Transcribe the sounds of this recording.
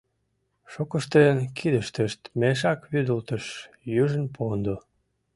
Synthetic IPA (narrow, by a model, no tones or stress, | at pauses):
ʃokəʃt̪enkʰid̪əʃt̪əʃt̪meʃ̬ɑkβyd̪əlt̪əʃ | jyʒənpʰond̪o